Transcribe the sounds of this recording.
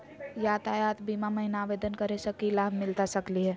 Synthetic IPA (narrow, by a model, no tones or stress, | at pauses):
jaːt̪ajat̪bimaməɦinaːʋed̪ənkəɾesəkilaːbʱmɪlt̪asəkliɦɛː